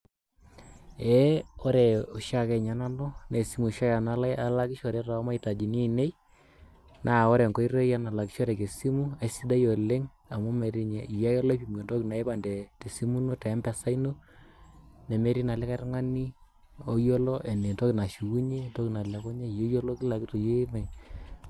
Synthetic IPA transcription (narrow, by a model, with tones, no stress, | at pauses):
ɛ˦o˦ɾɛ˨o˨ʃa˦kɛ˨ɲa˨na˦no˦ne˨si˦mu˨ʃa˦ja˨na˦la˦ja˦la˦ki˦ʃɔ˨ɾɛ˦ta˨˦ma˦i˨ta˨d͡ʒi˨ni˦e˦˨ne˦j | nʔa˨o˦ɾɛ˨ŋko˦i˦ɾe˦ja˦na˨la˨ki˦ʃɔ˦ɾɛ˨ke˨si˦mu˦a˨si˦da˦jo˨le˦ŋ | a˨mo˦me˨ɾi˦ɲɛ˨i˨ja˦jɔ˦la˦pi˦˨m˨e˨nto˦ki˨na˨ɛ˦ba˨ndɛ˨te˨si˦mu˦no˦tɛ˨˦mbɛ˨sa˦ino˦ | nɛ˨me˨˦ɾi˦na˨lɛ˦ka˦tŋa˦ni˦ | o˦jo˦lɔ˦ʔɛ˨ne˨nto˦ki˨na˨ʃu˨ku˦ɲe˦nto˦ki˨na˨lɛ˨kɔ˦ɲa˦jo˦jo˦lo˦ki˦la˨ki˦to˨je˦mɛ˨